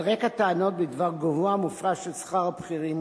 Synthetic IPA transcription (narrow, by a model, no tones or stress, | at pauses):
ʁekat̪aano̞t̪̚bed̪vaʁɡovoamufʁaʃelsχaʁabχiʁim